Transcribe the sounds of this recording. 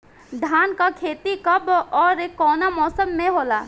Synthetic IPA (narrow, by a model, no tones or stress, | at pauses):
ɖ̪ʱaːnkakʰeːt̪ikɐbɔːɾekːɔːnamɔːsəmːẽɦoːla̰ː